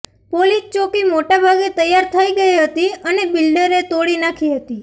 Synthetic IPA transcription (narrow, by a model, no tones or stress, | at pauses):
polist͡ʃokimoʈabʱaɡet̪əjːaɾt̪ʰəiɡəiɦət̪iənebɪlɖəɾet̪oɽinakʰiɦət̪i